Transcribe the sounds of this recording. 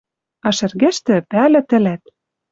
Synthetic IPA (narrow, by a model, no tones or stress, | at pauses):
ɑʃɘ̆rɣeʃt̪ɘ̆pælɘ̆t̪ɘ̆læt̪̚